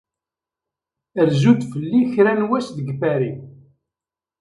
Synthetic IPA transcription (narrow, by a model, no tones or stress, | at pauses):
əɾzud̪fəlːiçɾænwæsðəɡfæɾi